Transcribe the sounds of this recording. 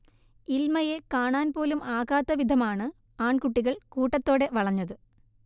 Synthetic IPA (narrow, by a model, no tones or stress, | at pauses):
ilmɐje̞kaːɳaːnpo̞ːlumaːɣaːt̪ːɐʋid̪ʱɐmaːɳɨ | aːɳkuʈːiɣɐɭkuːʈːɐt̪ːo̞ːɽe̞ʋɐɭɐɲːɐðɨ